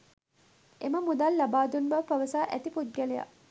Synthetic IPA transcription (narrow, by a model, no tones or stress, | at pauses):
eməmud̪alːabaːd̪unbɐʋpaʋəsaːʔæt̪ipud̪̚ɡæleja̰